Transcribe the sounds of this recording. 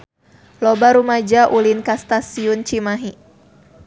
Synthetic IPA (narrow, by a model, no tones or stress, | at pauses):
lobaɾumad͡ʒaʔulinkast̪asiʊnt͡ʃimaɦi